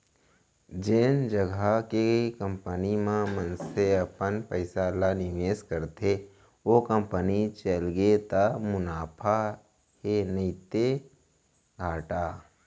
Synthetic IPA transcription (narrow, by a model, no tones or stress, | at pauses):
d͡ʒend͡ʒəɡʱakekə̃mpənimãmənseəpənpəɪsalanɪʋeːskəɾt̪ʰe | okə̃mpənit͡ʃəlɡet̪amʊnaːpʰa | henəit̪e | ɡʱaːʈaː